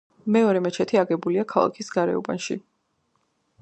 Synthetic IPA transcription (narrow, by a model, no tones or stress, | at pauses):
mɛɔɾɛmɛt͡ʃʰɛt̪ʰiaɡɛbuliakʰalˠa̰kʰisɡaɾɛ̰ṵba̰nʃi